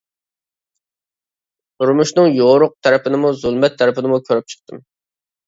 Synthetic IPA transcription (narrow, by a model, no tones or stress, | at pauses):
t̪ʰʊɾmuʃnɨŋjoɾʊq̚t̪ʰæɾɪpʰɪnɪmuzulˠmɛt̪ʰːɛɾɪpʰɪnɪmukʲʰøɾyp̚t͡ʃʰə̥q̚t̪ʰɨm